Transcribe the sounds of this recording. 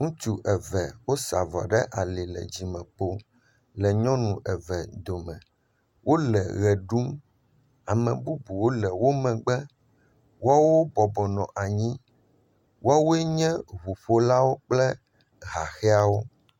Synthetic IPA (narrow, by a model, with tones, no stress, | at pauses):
ŋũ˦t͡ʃu˨ʔɛ˨vɛ˨wo˦sa˨vɔ̰˨ɖɛ˦ʔa˨li˨lɛ̰˨d͡ʑi˨mɛ̃˨k͡po˦ | lɛ˨ɲɔ̃˦nũ˨ʔɛ˨vɛ˨d̪o˨mɛ̰̃˨ | wʔo˦lɛ˨ɣɛ˨ɖu˦m | a˨mɛ̰̃˨bu˦bu˨wo˦lɛ˨wo˦mɛ̃˨ɡ͡bɛ˦ | wo˦a˦wo˦bɔ˨bɔ˨nɔ̃˨ʔa˨ɲĩ˦ | wʔo˦a˦wo˦e˦ɲɛ̃˦ɦu˨ɸo˦la˦wo˦k͡plɛ˦ | ɣa˨xɛ˦a˨wo˦